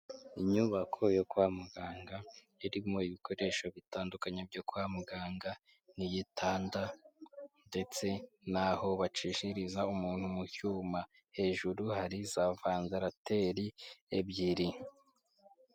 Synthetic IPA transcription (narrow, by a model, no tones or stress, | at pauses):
iɲuβakʰo̞jokwaːmuɡaːŋɡa | iɾimoiβikʰo̞ɾe̞ʃo̞βitaːndukaɲeb̚ɟokwaːmuɡaːŋɡa | nijitʰaːnda | nde̞t͡se̞naho̞βat͡ʃiʃiɾizaumuːn̥humucuːma | he̞ːʒuɾuhaɾizavaːnzaɾatʰe̞ɾiebjiɾi